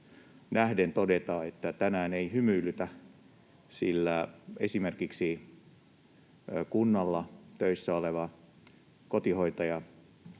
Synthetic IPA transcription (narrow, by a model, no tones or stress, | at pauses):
næhdent̪odet̪ɑːet̪ːæt̪ænæːneihymyːlːyt̪æ | silːæesimerkiksi | kunːɑlːɑt̪øisːæoleʋɑ | kot̪ihoit̪ɑjɑ